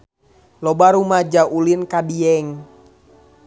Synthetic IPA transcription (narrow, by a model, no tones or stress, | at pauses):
lɔbaɾumad͡ʒaʔulinkadiɛŋ